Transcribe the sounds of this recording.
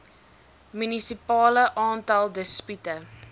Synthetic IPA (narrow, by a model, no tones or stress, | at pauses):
mynisipɑːləʔɑːntɐlˠdəspytə